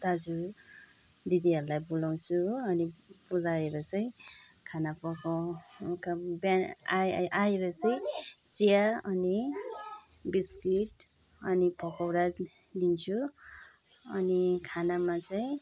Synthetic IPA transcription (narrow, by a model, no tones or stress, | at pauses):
t̪ad͡zu | d̪id̪iɦʌɾulajbulaw̃t͡sʰuʌnibulaeɾʌt͡sʌĩ | kʰanapʌkakabaaaeɾʌt͡sʌĩt͡sijaʌni | biskiʈ | ʌnipʌkawɾa | d̪int͡sʰu | ʌnikʰanamat͡sʌĩ